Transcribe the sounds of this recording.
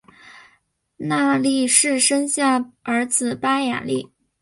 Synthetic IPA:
na˥˧li˥˧ʂɻ̩˥˩ʂə˥ŋɕja˥˩ə˞˧˥t͡sɹ̩˨˩pa˥ja̰˨˩li˥˩

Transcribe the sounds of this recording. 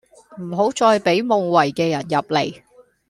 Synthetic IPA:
m̩˨˩ɦo˨˥wt͡sɔː˧jpe˨˥jmo˨˧ŋwɐ˨˩jkɛː˧jɐ˨˩njɐ˨p̚le˨˩j

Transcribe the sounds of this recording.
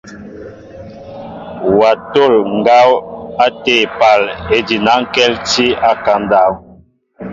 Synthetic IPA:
wa˨to˦˨lŋ˨ɡa˦wa˦te˨pa˨le˨di˨na˨˦ŋ̩˦kɛ˦lti˦a˦ka˨˦nda˦˨w

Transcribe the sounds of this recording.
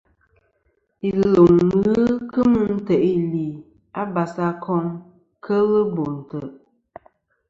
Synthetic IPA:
i˨lo˨ŋːɨ˦kɨ˦mɨ˦n̩˦tə˨ʔi˦li˨ | a˦ba˨sa˦kʰɔ˦ŋ | kʰə˦lə˦bo˨n̩˨tə˨

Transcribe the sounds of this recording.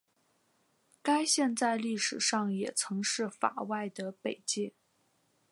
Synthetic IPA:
ka˥ɪɕjɛ˥˧nt͡sa˥˧ɪli˥˩ʂɻ̩˨˩ʂɑ˥˩ŋjɛ˨˩t͡sʰɤ˧˥ŋʂɻ̩˥˩fa̰˨˩wa˥˩ɪd̪ə˩pe˨˩ɪt͡ɕji˥˩

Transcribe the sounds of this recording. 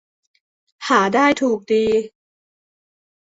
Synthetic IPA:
haː˩˦daː˥˩jt̪ʰuː˨˩k̚diː˧

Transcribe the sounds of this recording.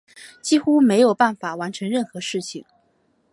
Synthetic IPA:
t͡ɕi˥xu˥me˧˥ɪjo˨˩ʊpa˥˩nfa˨˩˦wa˧˥nʈ͡ʂʰɤ˧˥ŋɻə˥˩nxɤ˧˥ʂɻ̩˥˩t͡ɕʰi˥˩ŋ

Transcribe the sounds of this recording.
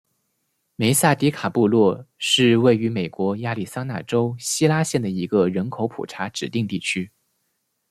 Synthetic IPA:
me˧˥ɪsa˥˩t̪i˧˥kʰa˨˩pu˥˧lwɔ˥˧ʂɻ̩˥˧we˥˩ɪy˧˥me˨˩ɪkwɔ˧˥ja˥˧li˥˩sa˥ŋna˥˩ʈ͡ʂo˥ʊɕi˥la˥ɕjɛ˥˩nd̪ə˩i˧˥ɡə˧ɻə˧˥nkʰo˧˥ʊpʰṵ˨˩ʈ͡ʂʰa˧˥ʈ͡ʂɻ̩˨˩t̪i˥˧ŋt̪i˥˩t͡ɕʰy˥

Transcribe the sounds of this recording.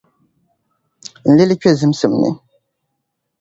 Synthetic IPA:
n̩˨le˦li˦kɥe˦˨zɨ˨˦msɨ˨mnɨ̰˨

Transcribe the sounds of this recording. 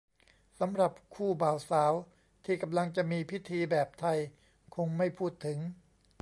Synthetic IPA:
sa˩˦mɾa˨˩p̚kʰuː˥˩baː˨˩wsaː˩˦w | t̪ʰiː˥˩ka˧mla˧ŋt͡ɕa˨˩ʔmiː˧pʰi˦˥t̪ʰiː˧bɛː˨˩p̚t̪ʰa˧j | kʰo˧ŋma˥˩jpʰuː˥˩t̪ʰːɯ˩˦ŋ

